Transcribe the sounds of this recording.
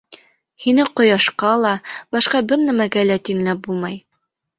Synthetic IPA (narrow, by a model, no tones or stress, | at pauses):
hinɘqŏjɑʃqɑlˠɑbɒʃqɑbɘɾnæmæɡælæt̪inlæp̚bulˠmɑj